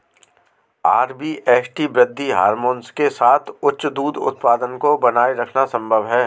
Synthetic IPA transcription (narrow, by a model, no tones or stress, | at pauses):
aːɾbiːʔɛːsʈibɾɪd̪ʱːiɦa̰ːɾmoːnskesaːt̪ʰʊtːʃd̪uːd̪ʊ̰t̪̚paːd̪ənkobɐnaːiɾɐkʰnasə̃mbʱəʋɦɛː